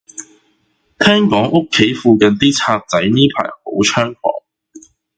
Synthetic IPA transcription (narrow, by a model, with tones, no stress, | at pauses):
t̪ʰɛː˥ŋkɔː˨˥ŋʔʊ˥kʰːe˨˥jfuː˧kɐ˨nt̪iː˥t͡sʰaː˧k̚t͡sɐ˨˥jniː˥pʰa̰ː˨˩jho˨˥wt͡ʃʰœː˥ŋfɔ̰ː˨˥ŋ